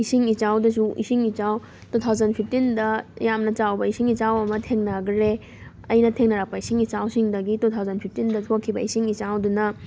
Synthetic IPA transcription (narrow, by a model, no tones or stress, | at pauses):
isiŋit͡ʃawdɐs̬uʔḭsiŋit͡ʃaw | tut̪ʰawzɐnpʰip̚tindɐjamnɐt͡ʃawbɐisiŋit͡ʃawɐmɐtʰeŋnɐɡɾe | ɐjnɐtʰeŋnɐɾak̚pɐisiŋit͡ʃawsiŋdɐɡitutʰawzɐnpʰip̚ʰtindɐtʰokʰːibɐisiŋit͡ʃawdunɐ